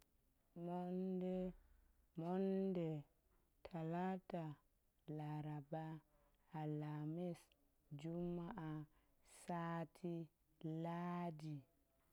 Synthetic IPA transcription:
mɔndɛ | mɔndɛ | tʰalata | laɾabaː | lamis | d͡ʒumːaʔa | saːtʰi | lad͡ʒi

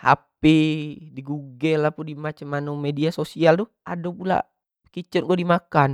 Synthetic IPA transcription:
a̰pidiɡuɡɛlapundimat͡ʃamanumediasosialduʔadopula̰ | kit͡ʃurɡuɛdimakan

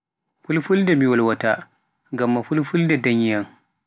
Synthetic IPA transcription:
fulfuldɛmiwɔlwata | ŋɡamːafulfuldɛdaɲjan

